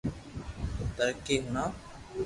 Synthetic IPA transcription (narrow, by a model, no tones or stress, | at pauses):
t̪əɾkeːɦʊnãː